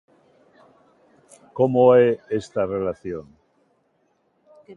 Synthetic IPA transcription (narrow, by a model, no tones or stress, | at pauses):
komoeest̪arelaθjon